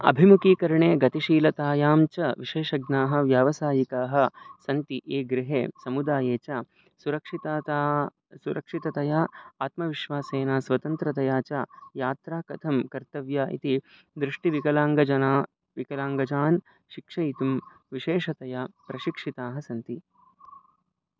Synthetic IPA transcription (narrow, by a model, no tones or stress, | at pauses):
ɐ̰bʱimukiːkɐɾɳeːɡɐt̪iʃiːlɐt̪aːjaːmt͡ʃɐʋiʃeːʃɐɡnaːɦɐ̆ʋjaːʋɐsaːjikaːɦɐ̆sɐnt̪iʔeːɡɾiɦḛːsɐmud̪aːjeːt͡ʃaː | suɾɐkʂit̪ːa | suɾɐkʂit̪ɐt̪ɐjaaːt̪mɐʋiʃʋaːseːnaːsʋɐt̪ɐnt̪ɾɐt̪ɐjaːt͡ʃajaːt̪ɾaːkɐt̪ʰɐmkɐɾt̪ɐʋjaʔḭt̪i | d̪ɾɪʂʈiʋikɐlaːŋɡɐd͡ʒɐnaː | ʋikɐlaːŋɡɐd͡ʒaːn | ʃikʂɐjit̪um | ʋiʃeːʂɐt̪ɐjaːpɾɐʃikʂit̪aːɦɐsɐnt̪i